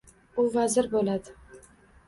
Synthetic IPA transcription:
ʊvazɪɾbolad̪ɪ

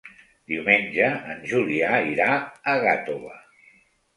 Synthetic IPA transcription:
d̪̥iwmenʲd͡ʒəːnʒuliaiɾaəɣat̪oβə̰

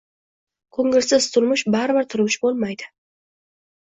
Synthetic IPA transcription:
kʰɵŋɪlsɪz̥t̪ʰʊɾmʊʃbaɾɪbɪɾt̪ʰʊɾmʊʃbolˠmajd̪ɪ̥

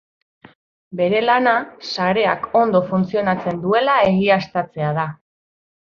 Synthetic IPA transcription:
be̞ɾe̞lanasaɾe̞ako̞nd̪o̞funt͡sio̞nat͡se̞nd̪ue̞lae̞ɣiast̪at͡se̞aða

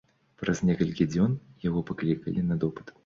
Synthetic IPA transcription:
pɾɐznʲɛkɐlʲkʲid͡zʲɔnjaɣɔpaklʲikɐlʲinɐd̪ɔpɨ̥t̪

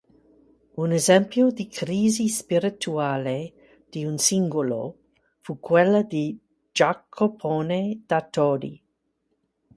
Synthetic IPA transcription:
unezɛmpjod̪ikʰɾiːzispiɾit̪uaːle | d̪̥iunsiŋɡolo̰ | fukwelːad̪i | d͡ʒakʰːopʰoned̪̥at̪odḭ

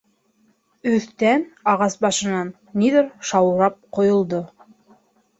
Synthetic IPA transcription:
ɵ̆θt̪ænɑʁɑsbɑʃɤ̆nɑnːiðɘɾʃɑwɾɑp̚qŏjŏlˠd̪o

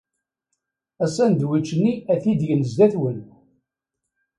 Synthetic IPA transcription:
æsænd̪wit͡ʃːənːiæθid̪ʝənəzd̪æθwən

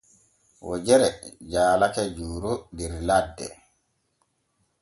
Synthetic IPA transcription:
wɔd͡ʒɛɾɛd͡ʒaːlakɛd͡ʒuːɾudɛɾladːɛ̰

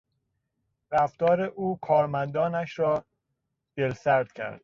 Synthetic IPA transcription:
ɾæft̪ɒːɾeʔuːkʰɒːɾmænd̪ɒːnæʃɾɒː | d̪̥elsæɾd̪̥cʰæ̰ɾd̪̥

